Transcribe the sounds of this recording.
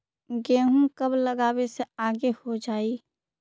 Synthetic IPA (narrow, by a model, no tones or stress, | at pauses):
ɡeːɦũkəbləɡaːweseaːɡehod͡ʒaːiː